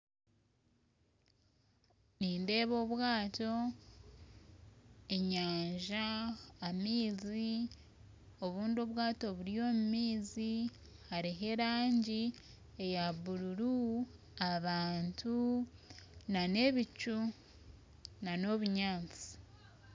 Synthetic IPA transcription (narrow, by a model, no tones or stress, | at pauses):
niːnde̞ːβo̞ːβwaːto̞ | eɲaːɲʒaː | miːzi | o̞βuːndio̞βwaːto̞βuɾijo̞ːmumiːzi | haɾiɦe̞ɾaːɲɟi | ejaβuɾuɾu | aβaːntʰu | nane̞βit͡ʃu | nano̞βuɲaːnt͡si̥